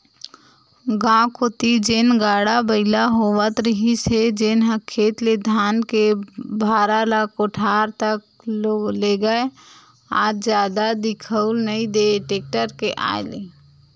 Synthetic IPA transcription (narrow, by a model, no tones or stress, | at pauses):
ɡãːkoːt̪id͡ʒeːnɡaːɽabəɪlaɦoʋət̪ɾəɦised͡ʒeːnɦəkʰːeːt̪led̪ʱaːnkebʱaːɾalakoʈʰaːɾt̪ək̚ | loleɡəe | aːɾd͡ʒjaːd̪ad̪ɪkʰəʊlnəĩd̪eʈeːk̚ʈəɾkeʔa̰ːele